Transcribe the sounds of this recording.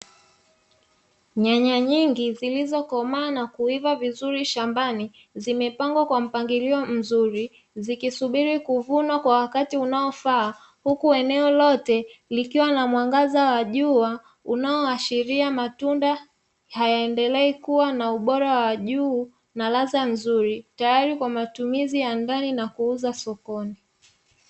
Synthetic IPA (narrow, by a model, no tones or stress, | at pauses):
ɲaɲaɲiŋɡizilizɔkɔmaːnakuivavizuɾiʃambani | zimɛpaŋɡwakwam̩paŋɡiliɔm̩zuɾi | zikisuɓiɾikuvunwakwawakatiunaɔfaː | hukuɛnɛɔlɔtɛlikiwanamwaŋɡazawaʄua | unaɔaʃiɾiamatunda | hajaɛndɛlɛɛkuwanauɓɔɾawawaʄuː | nalazam̩zuɾitajaɾikwamatumizijandaninakuuzasɔkɔni